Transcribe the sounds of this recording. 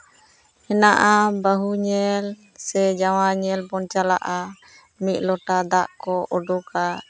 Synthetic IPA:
hɛnaʔabaɦuɲɛl | sɛd͡ʒawaɲɛlbɔnt͡ʃala̰ʔa | mit̪̚ˀlɔʈad̪aʔkɔʔɔɖɔka

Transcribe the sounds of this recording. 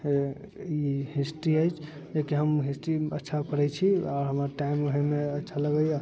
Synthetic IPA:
iɦisʈiəjt͡ʃʰ | d͡ʒekeɦəmɦisʈiətːʃʰapəɾɛt͡ʃʰiaʊɾɦəməɾʈaiməɦemeətːʃʰaləɡəja

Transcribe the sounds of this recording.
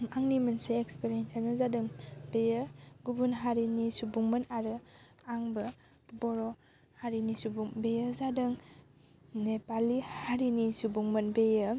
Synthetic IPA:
maŋnimɐnseːkspeɾiensanɯzadɯŋbejəɡubunɦaɾinisubuŋmənaɾɯ | aŋbɐ | bɔɾɔ | haɾinisubuŋbejəzadɯŋ | nepalːihaɾinisubuŋmɐnbejə

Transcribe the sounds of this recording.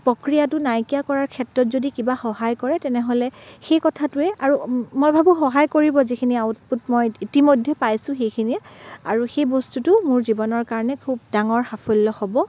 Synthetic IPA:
pɹɔkɹijatʊnajkijakɔɹaɹkʰɛtɹɔtzodikibaxɔɦajkɔɹɛtɛnɛɦɔlɛxejkɔtʰatʊɛaɹumojbʱabuxɔɦajkoɹibɔzikʰiniaut̚putmɔjitimojdʱːɛpajsʊ̃xejkʰiniɛaɹuxejbɔstutʊmʊɹzibɔnɔɹkaɹɔnɛkʰubdaŋɔɹxapʰulːɔxɔbɔ

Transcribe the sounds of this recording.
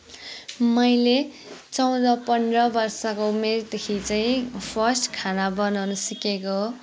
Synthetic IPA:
mʌjle | t͡sʌw̃d̪ʌpʌnrʌbʌrsʌkoumerd̪ekʰit͡saĩpʰʌsʈkʰanabʌnawnusikeko

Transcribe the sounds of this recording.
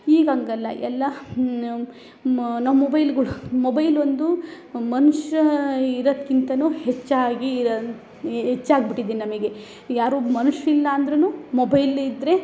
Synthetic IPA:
iːɡɐŋɡɐlːɐ̰ʔɛlːɐ | nɐmɐmɔbɐjlɡɐɭumobɐjlond̪u | mɐnuʂɐiɾod̪kint̪ɐnuːhet͡ʃːaːɡi | ɦet͡ʃːaːɡbiʈːid̪iːninɐmɐɡe̞ | jaːɾuːmɐnuʂilːɐːnd̪ɾenuːmobɐjlid̪ɾe̞

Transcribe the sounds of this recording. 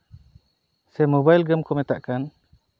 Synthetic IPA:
sɛmɔbajlɡəmkʰɔmɛt̪aʔkan

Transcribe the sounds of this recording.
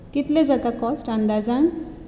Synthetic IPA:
kit̪led͡zakakɔsʈãnd̪ad͡zan

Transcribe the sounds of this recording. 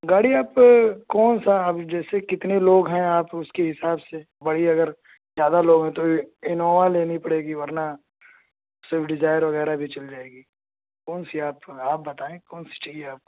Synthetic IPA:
ɡaːɽiaːpkɔːnsaɐbd͡ʒɛːsekɪt̪neloːɡɦɛ̃aːpʊskeɦɪsaːbse | bɐɽ̤iɐɡəɾ | zjaːd̪aloːɡɦɛ̃t̪oɪnoːʋaleːnipɐɽeːɡiʋɐɾna | seːfɖɪd͡ʒaːɪəɾʋɐɣɛːɾabʱit͡ʃɐld͡ʒaːeːɡiː | kɔːnsiaːpaːp̚bɐt̪aːẽkɔːnsi̥t͡ʃaːɦieaːp̚ko̥

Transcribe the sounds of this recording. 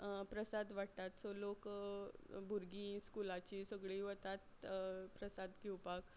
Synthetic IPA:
pɾəsad̪ʋaɽt̪at̪solok | bʱuɾɡiskulat͡ɕiːsəɡɭiːʋət̪at̪pɾəsad̪ɡiwpak

